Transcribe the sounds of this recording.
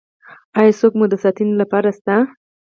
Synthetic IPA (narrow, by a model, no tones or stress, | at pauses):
ɑjɑsokmud̪əsɑt̪inlapɑɾast̪a